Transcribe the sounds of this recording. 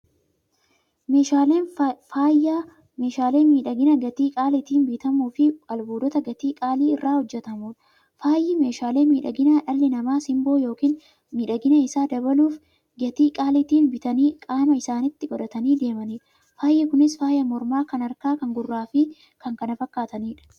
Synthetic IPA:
meːʃaleːnfaːja | me̞ːʃaːle̞ːnmiːᶑɐɡɪnɐɡɐt̪iːkʼaːlɪt̪iːnbiːt̪ɐmuːfɪɐlbuːd̪ɔt̪ɐɡɐt̪iːkʼaːliːɪrːaːhɔd͡ʒːɛt̪ɐmuːᶑɐ̥ | faːjːɪme̞ːʃaːle̞ːmiːᶑɐɡɪnaᶑɐlːɪnɐmaːsɪmbo̞ːjo̞ːkiːn | miːᶑɐɡɪnɐɪsaːd̪ɐbɐluːf | ɡɐt̪iːkʼaːlɪt̪iːnbɪt̪ɐniːkʼaːmɐɪsaːnɪt̪ːɪɡɔᶑ̪ɐt̪ɐniːd̪e̞ːmɐniːᶑɐ | faːjːɪkʊnɪsfaːjɐmɔɾmaːkɐnɐɾkaːkɐŋɡʊrːaːfɪ | kɐŋkɐnɐfɐkːaːt̪ɐniːᶑɐ̥

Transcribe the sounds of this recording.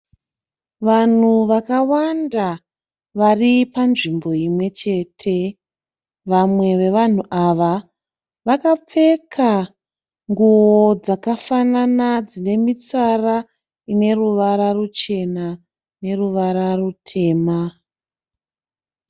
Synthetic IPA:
ʋan̤uʋakawanda | ʋaripanʐimbo̞imwe̞t͡ʃe̞ːtʰe̞ | ʋamwe̞ʋe̞ʋan̤uʔaʋa | ʋakap͡fe̞kʰa | ŋɡuwod͡zakafananad͡zine̞mit͡sara | ine̞ruʋaɾarut͡ʃe̞na | ne̞ruʋaɾarutʰe̞ːma

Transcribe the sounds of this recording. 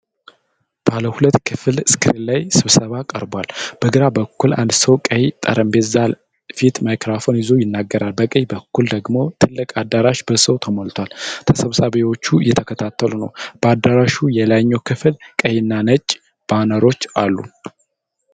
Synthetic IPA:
b̥aləhulət̪ːkʰɨfɨlskʰɨɾilajsɨβsəβakʼə̰ɾbalb̥əɡɨɾabəkːulʔa̰nd̪səwkʼəjt̪ʼə̰ɾəmbet̪zal | fit̪majkɾafo̞njɪzo̞jɪnːaɡːəɾalbəkʼəjbəkːuld̪əɡmo̞t̪ʰɨlːɨkʼad̪ːaɾaʃbəsəwt̪ʰəmolt̪ʰwalt̪ʰəsəβsaβewo̞t͡ʃːujɛt̪ʰəkʰət̪ʰat̪ːəlunə̰wb̥əad̪ːaɾaʃujɛlaɲːowkʰɨflkʼəjɪnːanət͡ʃʼː | b̥anəɾo̞t͡ʃːalːṵ

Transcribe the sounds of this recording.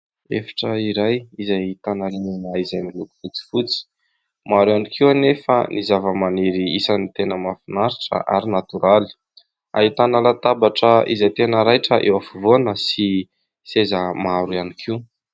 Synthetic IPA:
ḛfḁʈ͡ʂəiɾajizajt̪anaɾinanaizajmiluku̥fut͡si̥fut͡si̥ | maɾuanikʰiuanefə̰nʔizavəmaneɾiisanit̪enəmafinaɾiʈ͡ʂə̰ʔa̰ɾinat̪uɾali̥ | a̰it̪analat̪abaʈ͡ʂəizajt̪enəɾajʈ͡ʂəʔewafivonəsi | sezəmaɾuanikʰiu

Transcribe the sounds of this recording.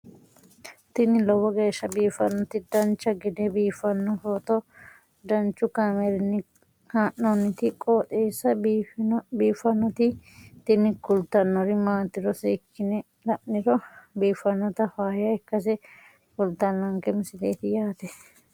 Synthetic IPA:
t̪ɪnɪlɔwɔɡeːʃːɐbiːfɐnːɔt̪ɪd̪ɐnt͡ʃːɐɡɛd̪ɛbiːfɐnːɔfoːt̪ɔ | d̪ɐnt͡ʃːʊkamɛɾɪnːɪ | haːʔːɔnːɪt̪ɪkʼoːt̪ʼeːsːɐ | biːfɐnːɔt̪ɪt̪ɪnɪkʊlt̪ɐnːɔɾɪmaːt̪ːɪɾɔseːkːɪnɛ | lɐʔnɪɾɔbiːfːɐnːɔt̪ɐfaːjɐɛkːɐs̬ɛ | kʊlt̪ɐnːɐŋkɛmɪsɪd̪eːt̪ɪjaːt̪ɛ

